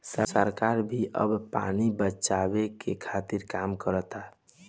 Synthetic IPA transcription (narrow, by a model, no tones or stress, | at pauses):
səsəɾkaɾbʱiʔə̰bpa̰nibət͡ʃabekekʰaːt̪iɾkaːmkəɾət̪a